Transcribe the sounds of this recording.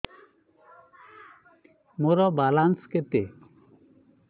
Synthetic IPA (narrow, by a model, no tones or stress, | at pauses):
moɾɔbalansket̪e